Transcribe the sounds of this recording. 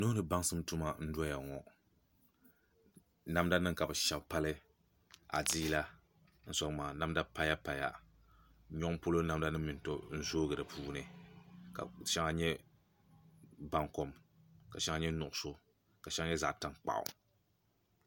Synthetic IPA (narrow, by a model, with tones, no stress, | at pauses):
no˦nɨ˨ba˦ŋ˦sɨ˦mtu˦ma˦n̩˦du˦a˦ja˨ŋɔ˨ | na˦mda˦nɨ˦ŋ˨ka˨bɨ˨ʃɛ˨bpa˦lɨ˦ | a̰˨diː˦la˦ | n̩˦sɔ˦ŋmaː˨na˦m˦da˦pa˦ja˦pa˨ja̰˨ | ɲɔ˦ŋpo˦lo˦na˦mda˦nɨ˦m˦mi˨n˨to˦n̩˦zoː˦ɡɨ˨ɾɨ˨pʰuː˦nɨ˨ka̰˨ʃɛ˦ŋa˦ɲɛ˦ | ba˨ŋkɔ˨mka˨ʃɛ˦ŋa˦ɲɛ˦nʊ˨ʔʊ˦so˦ | ka˨ʃa˦ŋa˦ɲɛ˦za˨ʔta˦ŋk͡pa̰˨ʔʊ̰˨